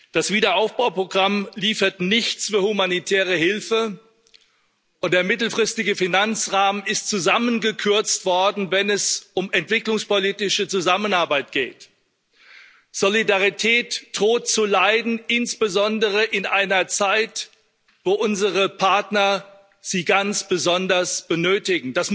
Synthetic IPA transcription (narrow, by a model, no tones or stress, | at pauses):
d̥asv̥iːdɐʔaʊfb̥aʊpʁ̥oɡʁamliːfɐtnɪçt͡sfyːɐhumanitʰɛːʁ̞əhɪlfə | ʔʊnt̚d̥eːɐmɪtl̩fʁ̥ɪstɪɡəfinant͡sʁaːmənɪstt͡suzamənɡəkʰʏɐt͡stv̥ɔɐdn̩vɛnɛsʊmɛntv̥ɪklʊŋspoliːtɪʃət͡suzamənaɐbaɪt̚ɡ̥ḛːt | z̥olidaʁitʰɛːtd̥ʁoːtt͡sulaɪdn̩ɪnsb̥əzɔndəʁəʔɪnʔaɪnɐt͡saɪt | voːʔʊnzəʁəpʰaɐtnɐ | z̥iːɡant͡sb̥əzɔndɐsb̥ənøːtɪɡŋ̩d̥as